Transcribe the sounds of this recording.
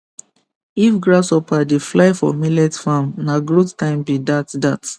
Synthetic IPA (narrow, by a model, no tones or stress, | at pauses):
ifɡɹasɔpʰadeflaɪfɔ̰milɛtfãmnaɡɹottãɪ̃mbidatdat